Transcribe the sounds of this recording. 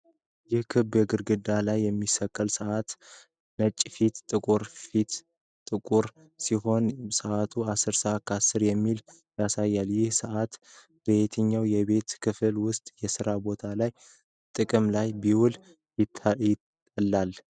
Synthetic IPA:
jɪhkʰɨbjɛɡɨɾɡɨd̪alajːɛmːisəkʼːəlsəʔat̪ | nət͡ʃʼːfit̪t̪ʼɨkʼuɾfit̪ | t̪ʼɨkʼuɾ | siho̞nsəʔat̪ʰuasːɨɾsəʔat̪̚kʰəasɨɾjɛmːil | jasajːaljɪhsəʔat̪ | b̥əet̪ʰɨɲːawjɛβe̞t̪kʰɨfɨlwʊst̪ʼjɛsɨɾabo̞t̪ʰalaj | t̪ʼɨkʼɨmlajbiwʊl | jɪt̪ʰjɪt̪ʼː | əlːal

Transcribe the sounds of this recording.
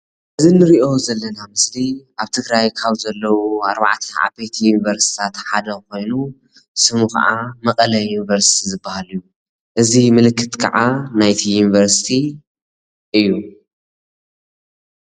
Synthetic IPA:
ʔɨzinɨɾiʔo̞zɐlːɐnamɨsliʔaβt̪ʰɨɡɾajkʰaβzɐlːɐwuaɾβa̰ʕt̪ʰɐa̰bejt̪ʰjunivɐɾst̪i̥t̪ʰat̪ħad̪ɐko̞jnu | sɨmuxɐ̰ʔamɐkʼɐlɐjunivɐɾsi̥t̪ʰizɨbːahalijːu | ʔɨzimɨlɨkːɨt̪kʰɐ̰ʕanajt̪ʰijunivɐɾsi̥t̪ʰi | ʔɨjːu

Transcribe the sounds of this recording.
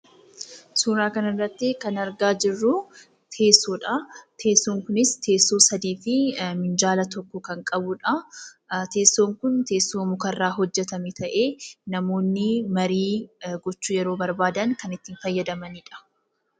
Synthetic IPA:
suːɾaːkɐnɪrːɐt̪ːɪkɐnɐɾɡaːd͡ʒɪrːʊ | t̪ʰe̞ːsːoːᶑɐt̪ʰe̞ːsːoːŋkʊnɪst̪ʰe̞ːsːoːsɐd̪iːfɪmɪnd͡ʒaːlɐt̪ɔkːɔkɐŋkʼɐbʊᶑɐ | t̪eːsːo̞ːŋkʊnt̪e̞ːsːoːmʊkɐrːaːɦɔd͡ʒːɛt̪ɐmɪt̪ɐʔe̞ːnɐmo̞ːnːɪmɐɾiːɡɔt͡ʃːuːjɛɾo̞ːbɐɾbaːd̪ɐŋkɐnɪt̪ːiːnfɐjːɐd̪ɐmɐniːᶑɐ̥

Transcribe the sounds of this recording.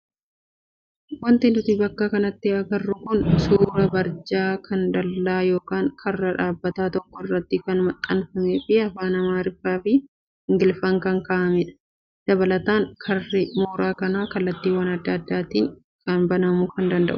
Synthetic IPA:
wɐnt̪ɪnʊt̪ɪbɐkːaːkɐnɐt̪ːɪɐɡɐrːʊkʊnsuːɾɐbɐɾd͡ʒaːkʰɐnd̪ɐlːaːjo̞ːkaːŋkʰɐrːɐᶑaːbːɐt̪aːt̪ɔkːɔɪrːɐt̪ːɪkɐnʊmɐt̪ʼːɐnfɐmeːfɪɐfaːnɐmaːɾɪfːaːfɪ | ɪŋɡɪlfɐŋkɐŋkaːʔɐmɛᶑɐ̥ | d̪̥ɐbɐlɐt̪aːŋkʰɐrːɪmo̞ːɾaːkɐnaːkɐlːɐt̪ːiːwɐnɐd̪ːɐːd̪ːaːt̪iːŋ | kɐnbɐnɐmuːkɐnd̪ɐnd̪ɐ̰ʔʊ̥

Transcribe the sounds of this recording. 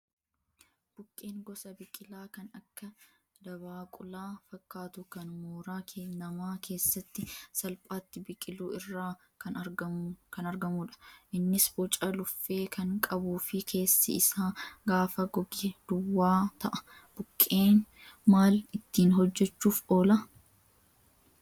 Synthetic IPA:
b̥ʊkʼːe̞ːŋɡɔsɐbɪkʼɪlaːkɐnɐkːɐ | d̪ɐbaːkʼʊlaːfɐkːaːt̪ʊkɐnmoːɾaːkʰeːnɐmaːke̞ːsːɐt̪ːɪsɐlpʼaːt̪ːɪbɪkʼɪluːɪrːaː | kɐnɐɡɐkɐnɐɾɡɐmuːᶑɐ̥ʔɪnːɪsbɔt͡ʃʼɐlʊfːe̞ːkʰɐŋkʼɐbuːfɪkʰe̞ːsːɪ̰ɪsaːɡaːfɐɡɔɡɪd̪̥ʊwːaːt̪ɐʔɐ̥ | b̥ʊkʼːe̞ːnmaːlɪt̪ːiːnɦɔd͡ʒːɛt͡ʃːuːfʔoːlɐ

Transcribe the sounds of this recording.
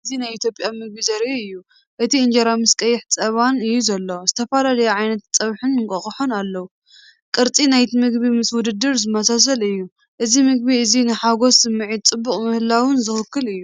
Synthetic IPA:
ɨzinajit̪ʰjo̞pʼjamɨɡ̚bizɐɾiɨjːu | ʔɨt̪ʰiɨnd͡ʒɐɾamɨskʼɐjːɪħt͡sʼɐβanɨjːuzɐlːozɨt̪ʰɐfalalɐjaʕajnɐt̪t͡sʼɐβħɨnŋkʼɐχʼɐħonalːɐwu | kʼɨɾt͡sʼinajt̪ʰimɨɡβimɨswʊd̪ɨd̪ːɨɾzɨmɐsas̬ɐlɨjːu | ʔɨzimɨɡ̚biɨzinɨħaɡo̞sɨmːɨʕid̪̚t͡sʼɨbːukʼmɨhlːawɨnzɨxɨkːɨlɨjːu

